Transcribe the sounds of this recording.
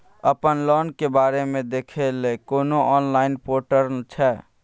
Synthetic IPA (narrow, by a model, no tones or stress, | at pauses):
əpənlɔnkebaɾemẽd̪ekʰelekonoʔɔnlaɪnpoʈəɾnt͡ʃʰɛ